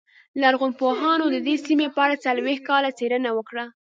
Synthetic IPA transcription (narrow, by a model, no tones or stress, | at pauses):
laɾɣʊnpoɦɑnod̪əd̪esimepəaɽat͡salwex̚kɑlat͡seɾənawəkɽa